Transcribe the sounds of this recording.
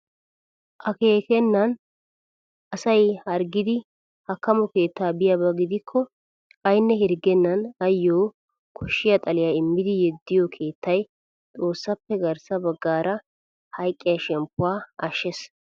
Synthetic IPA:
ʔɐke̞ːkɛnːɐn | ʔɐsɐjhɐɾɡɪd̪ɪ | hɐkːɐmɔke̞ːt̪ːaːbɪjɐbɐɡɪd̪ɪkʰːɔ | ɐjnːɛhɪɾɡɛnːɐnɐjːoː | kʰɔʃːɪjɐt̪ʼɐlɪjaːɪmːɪd̪ɪjɛd̪ːɪjɔkʰe̞ːt̪ːɐj | t̪ʼo̞ːsːɐpːɛɡɐɾsɐbɐɡːaːɾɐ | hɐjkʼːɪjɐʃɛmpːʊwaːʔɐʃːɛs

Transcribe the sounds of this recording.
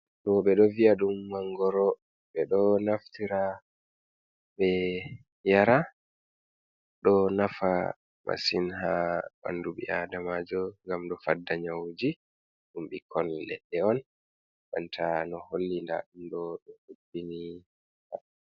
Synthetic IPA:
ɗɔɓɛɗɔviaɗumːaŋɡɔɾɔ | ɓɛɗɔnaftiɾa | ɓɛ | jaɾa | ɗɔnafa | ma̰sinhaba̰nduɓḭadamad͡ʒɔŋɡamɗɔfadːaɲawd͡ʒi | ɗumɓikʰɔnlɛɗːɛɔn | ʔa̰ntʰanɔholːinda̰ɗumɗɔɗɔʔubini | ha̰

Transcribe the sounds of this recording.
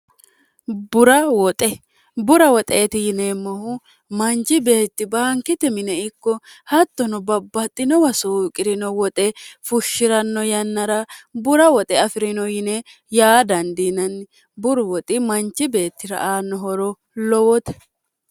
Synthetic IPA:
bʊɾɐwɔt̪ʼɛ | bʊɾɐwɔt̪ʼeːt̪ɪjɪnemːɔhʊ | mɐnt͡ʃɪbe̞ːt̪ːɪbaːŋkɪt̪ɛmɪnɛɪkːɔhɐt̪ːɔnɔbɐbːɐt̪ʼːɪnɔwɐsuːkʼɪɾɪnɔwɔt̪ʼɛfʊʃːɪɾɐnːɔjɐnːɐɾɐbʊɾɐwɔt̪ʼɛɐfɪɾɪnɔjɪnɛ | jaːd̪ɐnd̪inɐn | bʊɾʊwɔt̪ʼɪmɐnt͡ʃːɪbe̞ːt̪ːɪɾɐ̰ʔaːnːɔɦɔɾɔ | lɔwɔt̪ɛ̥

